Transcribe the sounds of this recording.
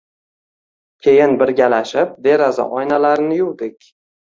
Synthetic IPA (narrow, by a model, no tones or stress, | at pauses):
kʲʰe̞jɪnbɪɾɡʲalaʃɪp̚d̪e̞ɾaza̰ʔɒjnalaɾnɪjʊwd̪ɪkʲ